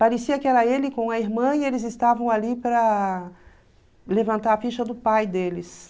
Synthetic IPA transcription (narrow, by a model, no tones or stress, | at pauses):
paɾesiɐkɪɛɾɐelɪkõw̃ɐiɾmɐ̃ielɪzɪst̪avɐ̃w̃alipɾɐ | levɐ̃nt̪aɾɐfiʃɐd̪ʊpajd̪elɪs